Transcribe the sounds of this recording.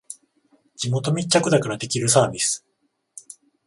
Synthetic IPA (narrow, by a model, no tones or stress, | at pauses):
d͡ʑimo̞t̪o̞mʲit͡ɕːakɯ̟d̪akaɾad̪e̞kʲiɾɯ̟saːbʲisɨ̥